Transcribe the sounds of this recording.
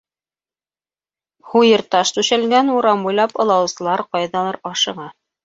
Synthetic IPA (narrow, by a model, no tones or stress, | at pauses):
hujɤɾt̪ɑʃt̪ʉʃælɡænuɾɑmbujlˠɑpɤ̆lˠɑwsɤ̆lˠɑɾqɑjðɑlˠɑɾɑʃɤ̆ʁɑ